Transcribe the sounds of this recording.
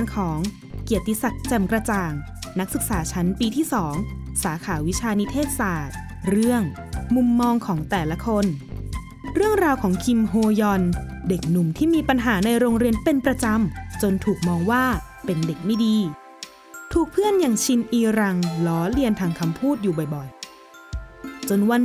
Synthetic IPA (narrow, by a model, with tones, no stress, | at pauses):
nkʰɔː˩˦ŋ | ki˨˩ət̪ːi˧˩sa˨˩k̚t͡ɕɛ˨˩mkɾa˧t͡ɕaː˨˩ŋ | na˦˥k̚sɯ˨˩k̚saː˩˦t͡ɕʰa˦˥npiː˧t̪ʰiː˥˩sɔː˩˦ŋsaː˩˦kʰaː˩˦wi˦˥t͡ɕʰaː˧ni˦˥t̪ʰeː˥˩t̪̚saː˨˩t̪̚ | ɾɯ˥˩əŋ | mu˧mːɔː˧ŋkʰɔː˩˦ŋt̪ɛː˨˩la˧˦˥kʰo˧n | ɾɯ˥˩əŋɾaː˧wkʰɔː˩˦ŋkʰi˧mɦoː˧jɔ˧nde˨˩k̚nu˨˩mt̪ʰiː˥˩miː˧pa˧nɦaː˩˦na˧jɾoː˧ŋɾi˧ənpe˧npɾa˧t͡ɕa˧mt͡ɕo˧nt̪ʰuː˨˩k̚mɔː˧ŋwaː˥˩ | pe˧nde˨˩k̚ma˥˩jdiː˧ | t̪ʰuː˨˩k̚pʰɯ˥˩ənjaː˨˩ŋt͡ɕʰi˧nʔiː˧ɾa˧ŋlɔː˨˦li˧ənt̪ʰaː˧ŋkʰa˧mpʰuː˥˩t̪̚juː˨˩bɔ˨˩jbɔ˨˩j | t͡ɕo˧nwa˧n